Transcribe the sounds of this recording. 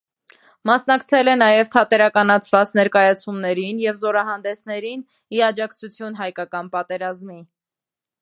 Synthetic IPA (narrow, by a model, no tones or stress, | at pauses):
mɑsnɑkt͡sʰɛlɛnɑjɛvt̪ʰɑt̪ɛɾɑkɑnɑt͡sʰvɑt͡snɛɾkɑjɑt͡sʰumnɛɾinjɛvzɔɾɑɦɑnd̪ɛsnɛɾin | iɑd͡ʒɑkt͡sʰut͡sʰjunɦɑjkɑkɑnpɑt̪ɛɾɑzmi